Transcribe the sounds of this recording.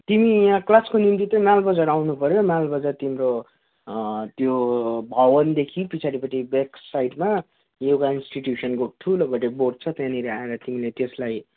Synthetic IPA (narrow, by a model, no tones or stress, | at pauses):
t̪imiklaskonimt̪̬it̪ʌmalbʌd͡zaɾawnupʌɾjomjalbʌd͡zart̪imɾo | t̪jobʱʌbʌnd̪ekʰipit͡sʰaɾipʌʈʰibeksajʈma | jewkainsʈiʈjusʌnkoʈ̪ʰuloɡʌʈeboʈt͡sʰʌt̪jãniɾeaeɾʌt̪imilet̪eslaj